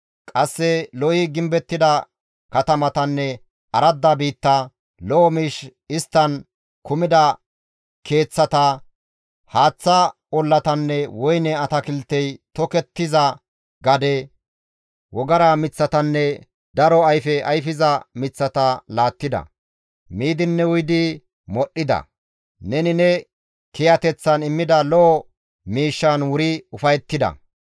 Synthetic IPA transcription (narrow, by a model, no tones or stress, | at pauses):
kʼɐsːɛlɔjɪɡɪmbɛt̪ːɪd̪ɐ | kɐt̪ɐmɐt̪ɐnːɛ | ɐɾɐd̪ːɐbiːt̪ːɐ | lɔɔmɪʃɪst̪ːɐn | kʊmɪd̪ɐ | kʰe̞ːt͡sːɐt̪ɐ | haːt͡sːɐ | ɔlːɐt̪ɐnːɛwɔjnɛɐt̪ɐkɪlt̪ːɛjt̪ɔkɛt̪ːɪzɐ | ɡɐd̪ɛ | wɔɡɐɾamɪt͡sːɐt̪ɐnːɛ | d̪ɐɾɔɐjfɛɐjfɪzɐmɪt͡sːɐt̪ɐlaːt̪ːɪd̪ɐ̰ | miːd̪ɪnːɛwʊjd̪ɪ | mɔɗːɪd̪ɐ̰ | nɛnɪnɛ | kɛjɐt̪ɛt͡sːɐnɪmːɪd̪ɐlɔː | miːʃːɐnwʊɾɪʊfɐjɛt̪ːɪd̪ɐ̰